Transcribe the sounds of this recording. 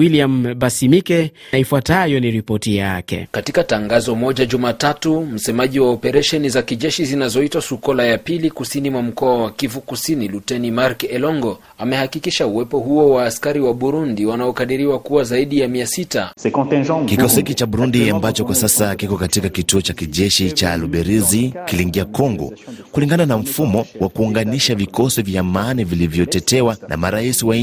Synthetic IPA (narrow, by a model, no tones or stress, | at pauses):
wiliambasimikɛnaifwatajɔniɾipɔtijakɛ̰katikataŋɡazɔmɔʄaʄumatatum̩sɛmaʄiwaɔpɛɾɛʃɛnizakiʄɛʃizinazɔitwasukɔlajapilikusinimwam̩kɔawakivukusinilutɛnimaɾkɛlɔŋɡɔ | amɛhakikiʃauwɛpɔɦuɔwaːskaɾiwaɓuɾundiwanaɔkaɗiɾiwakuwazaiɗijamiasitakɔ̃tkikɔsɔhikit͡ʃaɓuɾundiambat͡ʃɔkwasasakikɔkatikakituɔt͡ʃakiʄɛʃit͡ʃaluɓɛɾizikiliŋɡiakɔŋɡɔ̰kuliŋɡananam̩fumɔwʔakuːŋɡaniʃavikɔsivjamaːnivilivjɔtɛtɛwanʔa̰maɾaisiwa